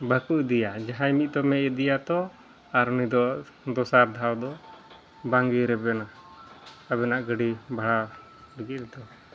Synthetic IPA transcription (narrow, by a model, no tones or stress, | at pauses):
bʱəkuʔd̪ijad͡ʒaɦajmit̪̚d̪ɔmɛʔɛd̪ijat̪ɔ | aɾɔnid̪ɔ | d̪ɔsaɾd̪ʱawd̪ɔ | baŋɡiɾɛbɛna | abɛnaʔɡəɖibʱaɽa | ɖiɡid̪ɔ